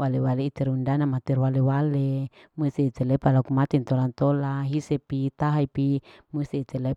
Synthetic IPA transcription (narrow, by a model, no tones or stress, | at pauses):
walewaleit͡ʃ̪ɛɾundanamat̪irwalewale | must̪iit͡ʃ̪ɛlɛpalakumat̪int̪olant̪olaɦisɛpit̪aɦaipimust̪iːt͡ʃ̪ɛle